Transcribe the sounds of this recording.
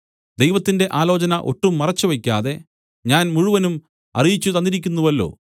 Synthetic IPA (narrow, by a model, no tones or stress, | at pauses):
d̪ejʋɐt̪ːinde̞ʔaːlo̞ːt͡ɕɐnɐʔo̞̰ʈːumːɐrɐt͡ɕːuʋɐkʲːaːðe̞ | ɲaːnmuɻuʋɐnum | ɐ̰rijit͡ɕːut̪ɐnd̪iɾikʲːunːuʋɐlːo̞̰ː